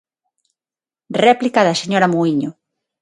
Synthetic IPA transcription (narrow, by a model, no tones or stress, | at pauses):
rɛplikaðɐseɲoɾɐmuiɲo